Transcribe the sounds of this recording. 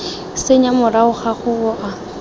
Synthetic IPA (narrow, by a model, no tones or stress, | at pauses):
seɲamʊraʊχaχʊʊʔa